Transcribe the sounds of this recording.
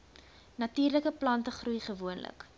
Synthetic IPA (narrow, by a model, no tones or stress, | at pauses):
nɐtiːrləkəplɐntəχrujχəvuənlə̰k